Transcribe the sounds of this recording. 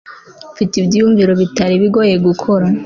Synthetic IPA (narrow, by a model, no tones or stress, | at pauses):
fitibɟiuːɱviɾo̞βitaɾiβiɡo̞je̞ɡukʰo̞ɾa